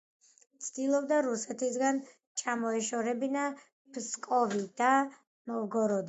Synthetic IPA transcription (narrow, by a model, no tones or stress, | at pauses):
t̪sʰd̪ilˠɔbd̪aɾusɛt̪ʰisɡan | t͡ʃʰamɔɛʃɔɾɛbina | pskʼɔvid̪a | nɔvɡɔɾɔd̪